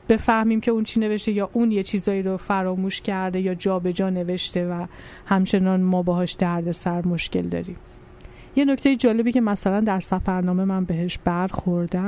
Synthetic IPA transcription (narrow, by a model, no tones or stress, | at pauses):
b̥e̞fæhmiːmcʰe̞unt͡ʃʰiːne̞veʃt̪ejɒːʔuːnje̞t͡ʃʰiːzɒːiːɾofæɾɒːmuːʃcʰæɾd̪e̞jɒːd͡ʒɒːbe̞d͡ʒɒːne̞ve̞ʃt̪e̞væ | hæmt͡ʃʰe̞nɒnmɒːbeɦɒːʃd̪̥æɾd̪e̞sæɾmo̞ʃce̞̰ld̪ɒ̰ːɾim | je̞no̞cʰt̪ejed͡ʒɒːle̞biːce̞mæsælænd̪æɾsæfæɾnɒːme̞mænbe̞ɦeʃb̥æɾxoɾd̪æ